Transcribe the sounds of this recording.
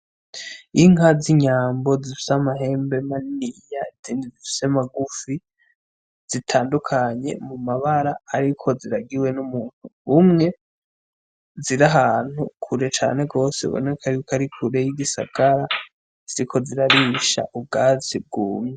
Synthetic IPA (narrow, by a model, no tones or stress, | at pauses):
iŋaziɲaːmbo̞zifi̥samaɦe̞ːmbe̞manijaiziːndizifi̥semaɡufi | z̥itʰaːndukʰaɲe̞̰mumaβaɾaːɾikʰo̞ziɾaɡiwe̞numuːn̥huβumŋe̞ | ziɾaɦaːn̥hukʰuɾe̞t͡ʃa̰ːne̞ɡo̞ːse̞̰βo̞̰ne̞kʰaɾiukaɾikʰuɾe̞jiɡisa̰ɡ̥aɾa | z̥iɾikʰo̞ziɾaɾiʃa̰ʔub̚ɡaːzib̚ɡuːmɲe